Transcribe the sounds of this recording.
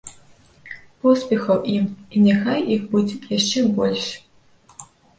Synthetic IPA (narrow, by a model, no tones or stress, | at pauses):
pɔspʲɛxɐwʔiminʲaxajixbud͡zʲɛjaʂt͡ʂɛbɔlʲʂ